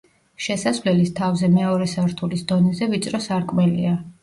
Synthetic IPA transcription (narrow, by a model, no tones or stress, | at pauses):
ʃɛsasvlɛlist̪ʰavzɛmɛɔɾɛsaɾt̪ʰulisd̪ɔnɛzɛvit̪sʼɾɔsaɾkʼmɛlḭa